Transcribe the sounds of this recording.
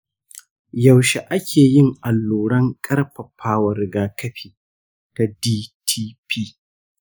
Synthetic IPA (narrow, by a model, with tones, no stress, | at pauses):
jɐ˨wʃe˨ʔa˦kʲʰeː˨jɪ˦ŋʔa˨lːuː˨ɽɐ˦ŋkʼɐ˦rɸɐ˨ɸʰaː˦wɐ˨rɡaː˦kɐ˦ɸiː˨ | ta˨diː˦tʰiː˦pʰiː˦